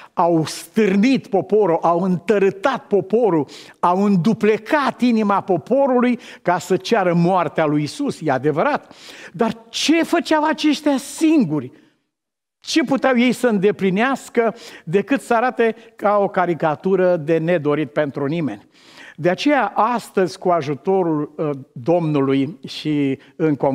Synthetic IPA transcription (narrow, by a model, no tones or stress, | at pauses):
awst̪ɨrnit̪po̞po̞ɾuʔawɨnt̪əɾɨt̪at̪̚po̞po̞ɾu | awɨnd̪uple̞kat̪inimapo̞po̞ɾulujkasət͡ʃaɾəmoart̪ealujisusjead̪e̞vəɾat̪d̪art͡ʃe̞fət͡ʃɪawat͡ʃe̞ʃt̪easiŋɡurʲ | t͡ʃe̞put̪eawje̞jsəɨnd̪e̞plineaskəd̪e̞kɨt̪səaɾat̪e̞kao̞kaɾikat̪uɾəd̪e̞ne̞d̪o̞ɾit̪̚pe̞nt̪ɾunime̞̰nʲ | d̪e̞at͡ʃe̞jaʔast̪əzʲkuaʒut̪o̞ɾuld̪o̞mnulujʃi | ɨŋkom